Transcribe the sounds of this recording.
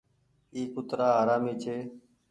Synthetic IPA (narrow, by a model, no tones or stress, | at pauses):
iːkʊt̪ɾaːaːɾaːmiːt͡ʃʰeː